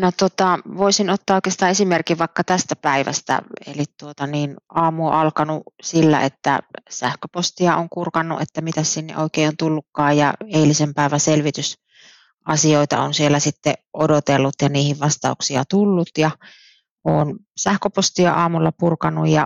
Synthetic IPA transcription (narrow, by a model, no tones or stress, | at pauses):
not̪ot̪ɑʋoisinot̪ːɑːoikˑest̪ɑʔesimerkiʋʋɑˑikːɑt̪æst̪æpæiʋæ̰st̪æ̰ḛlitt̪uot̪ɑniːnʔɑːmuo̰ʔɑlkɑnusilːæ̰et̪ːæ̰sæhkøpost̪iɑoŋkurkɑnːṵʔet̪ːæmit̪æssinːḛʔoikeˑːont̪ulːukːɑːjjɑ̰eilisempæˑiʋæselʋit̪ys | ʔɑsioˑit̪ɑ̰onsielːˑæsit̪ːḛʔodot̪elːut̪jɑniːhiʋʋɑst̪ɑuksiɑt̪ulːut̪jɑ | ʔoːn | sæhkøpost̪iɑ̰ʔɑːmulːɑpurkɑnːujjɑ